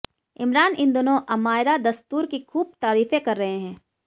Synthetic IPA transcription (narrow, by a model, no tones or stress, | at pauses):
ɪmɾaːnɪnd̪oːnõʔɐmaːɪɾad̪ɐst̪uːɾkixʰuːb̚t̪aːɾiːfekɐɾːɐɦeɦɛ̃ː